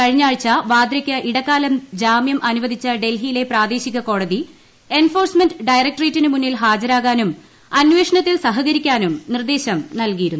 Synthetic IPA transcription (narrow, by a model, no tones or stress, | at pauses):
kɐɻiɲːaːɻt͡ɕːɐʋaːd̪ɾɐkʲːɐʔiɽɐkːaːlɐmd͡ʑaːmjɐmʔɐnuʋɐd̪ʱit͡ɕːɐɖe̞lɦijile̞praːd̪e̞ːɕiɣɐko̞ːɽɐði | e̞nfo̞ːrsmenɖɨɖɐjrɐk̚ʈreːtːinɨmunːilɦaːd͡ʑɐɾaːɣaːnum | ɐnʋe̞ːʂɐɳɐt̪ːilsɐɦɐɣɐɾikʲːaːnumnird̪e̞ːɕɐmnɐlkijiɾunːu